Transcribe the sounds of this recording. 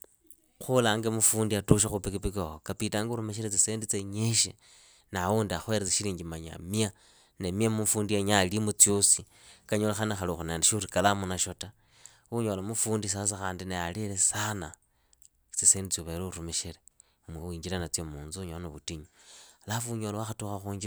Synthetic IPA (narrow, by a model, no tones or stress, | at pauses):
xulaŋɡemufuːndiatuʃ̬axupikipikookapitaːŋɡuɾumeʃ̬elet͡siseːndit͡seɲeʃḛ | nawuːndiaxwe̞ɾet͡seʃiliːɲɡimaɲa̰mia | nemiamufuːndieɲalimut͡sijosi | kaɲolaxanexaluxonendeʃurikalamunaʃo̞ta | uɲolamufuːndis̬as̬axaːndinealelesana | t͡siseːndit͡siuβeleuɾumeʃele | umeuiːɲd͡ʒilanat͡siomuːnzuɲoanoβutiɲolafuɲolowaxatuxaxuːɲɡi